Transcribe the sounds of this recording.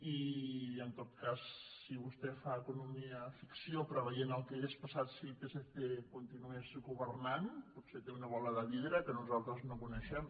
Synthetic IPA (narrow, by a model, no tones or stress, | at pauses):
iənt̪ot̪̚kasːiβust̪ɛfaəkunumiəfiksiopɾəβəjenəlˠkɛɣespəsat̪sipeseθekunt̪inuezɣuβəɾnanput̪set̪eunəβɔləðəβiðɾəkənuzalˠt̪ɾəznokunəʃɛm